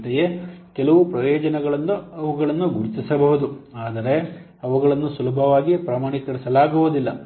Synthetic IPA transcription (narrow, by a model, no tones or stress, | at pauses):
t̪ɛjekɛlɐʋupɾɐjɔːd͡ʒɐnɛɡɐɭɐnːuɐʋuɡɐɭɐnːuɡuɽit̪isɐbɐɦud̪uaːd̪ɐɾe̞ | ɐʋuɡɐɭɐnːusulɐbʱɐʋaːɡipɾaːmaːɳit̪ːɐɽisɐlaːɡuɦud̪ilːɐ